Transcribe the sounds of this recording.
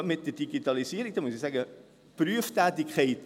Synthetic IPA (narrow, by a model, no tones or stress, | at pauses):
mɪt̚dəd̥iɡitɑlisiəɾɪk̚dɑmuəsisæːɡə | pryəftæːtikχeɪt